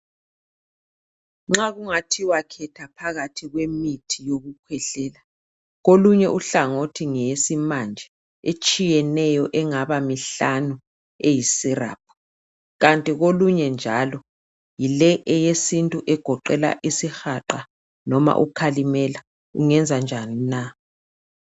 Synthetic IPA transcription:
ŋ͡ǁaɣuŋatʰiwakʰɛtʰapʰaɣatʰiɣwemitʰijoɣukʰwɛɬɛːla | ɣoluɲɛʔuɬaŋotʰiŋɛsimand͡ʒʱɛ | et͡ʃʼijɛnɛjɔʔɛŋaβamiɬanu | ejisira̰ːp̚ʰɔ̥ | ɣantʼiɣoluɲɛnd͡ʒʱalɔ | jilɛʔɛjesintʼuʔɛɡ̥ʱɔǃɛla̰ʔisixaǃa | nɔma̰ʔṵkʰalimɛla | ṵŋɛnd͡zʱand͡ʒʱanina

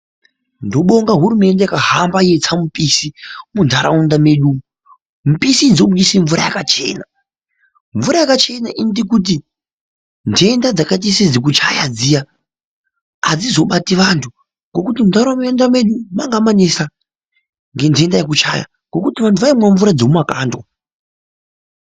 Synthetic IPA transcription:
ndo̞ɓo̞ŋɡaɦuɾume̞ndejakaɦambajet͡samupisimundʰʱaɾa̰undame̞ɗu | mupisid͡zokuisiɱvuɾa̰jakat͡ʃe̞̰na | ɱvuɾajakat͡ʃe̞naʔinitikut̬i | ndʰe̞ndad͡zakat̬isid͡zik̬ut͡ʃajad͡zija | d͡zizo̞ɓatiʋantʰu | ŋɡo̞kutimuntaɾaamndame̞ɗumaŋɡamanesa | ŋɡe̞ntʰe̞ndajek̬ut͡ʃa̰ja̰ | ŋɡo̞kutiʋantʰuʋaimwaɱvuɾad͡zomumakaːndwa

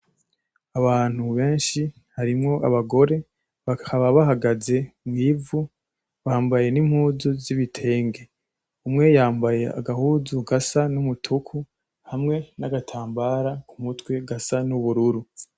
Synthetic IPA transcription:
aβaːn̥huβe̞ːnʃi | haɾimŋo̞ʔaβaɡo̞ɾe̞ | βakʰaβaβahaɡaze̞mŋiːvu | βaːmbaje̞nimhuːzuziβitʰe̞ːŋɡe̞ | umŋe̞jaːmbaje̞a̰ɡahuzuɡasanumutʰukʰu | hamŋe̞naɡatʰaːmbaːɾakumutwe̞ɡasanuβuɾuɾu

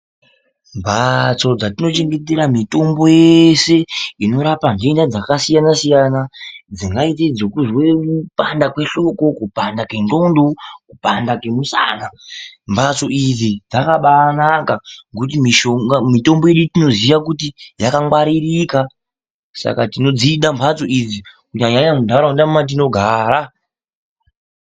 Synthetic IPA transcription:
mbʱat͡so̞d͡zatino̞t͡ʃe̞ŋɡe̞teɾamito̞mbo̞jeese̞ino̞ɾapandendad͡zakasijanasijanad͡ziŋɡait̬ed͡zokuzwe̞kupandakwe̞ɬo̞ko̞kupandake̞ndo̞ndokupandake̞musa̰nampʰat͡so̞id͡zid͡zakaɓanakakut̬imiʃoŋamito̞mbo̞je̞ɗutino̞ziʋakutijakaŋwaɾirika | sa̰katino̞d͡ziːɗampʰat͡so̞ʔid͡zikuɲaɲaɲamudʱaɾaundammat̬ino̞ɡʱaːɾa

